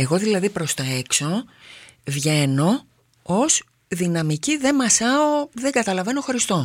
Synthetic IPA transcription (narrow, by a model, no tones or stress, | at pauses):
e̞ɣo̞ðilɐðipɾo̞st̪oe̞kso̞ | vʝe̞no̞ | os | ðinɐmiciðe̞mɐsɐoðeŋɡɐt̪ɐlɐve̞noxoɾist̪o